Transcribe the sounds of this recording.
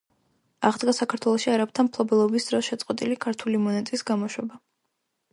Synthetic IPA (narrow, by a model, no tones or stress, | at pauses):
aʁd̪ɡasakʰaɾt̪ʰwɛlˠɔʃiaɾap̚t̪ʰanpʰlˠɔbɛlˠɔbisd̪̥ɾɔsʃɛt̪sʼqʼwɛt̪ʼilikʰaɾt̪ʰulimɔnɛt̪ʼisɡamɔʃwɛba